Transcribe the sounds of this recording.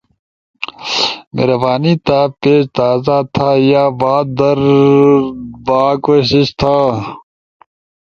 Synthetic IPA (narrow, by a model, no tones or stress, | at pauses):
mḛɾɐbaːniːt̪aːpeːɕt̪aːzat̪ʰaːjaːbaːd̪ɐɾ | baːkoːɕiɕt̪ʰaː